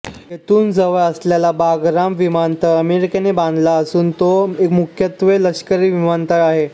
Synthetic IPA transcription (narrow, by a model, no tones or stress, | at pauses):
jet̪uːnd͡zəʋəɭəsljalabaɡɾamʋimant̪əəmeɾikenebãnd̪ʱlaəsuːnt̪oekmukʰjət̪ʋeləkʂkəɾiːʋimant̪əɭaɦe